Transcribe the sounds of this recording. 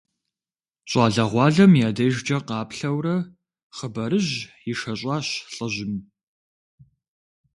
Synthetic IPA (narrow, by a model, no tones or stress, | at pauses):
ɕʼɑːɮɐʁʷɑːɮɐmjaːdɐʒd͡ʒɐqɑːpɬɐwrɐ | χəbɐɾɨʑjɪʃɐɕʼɑːɕɬʼəʑɪm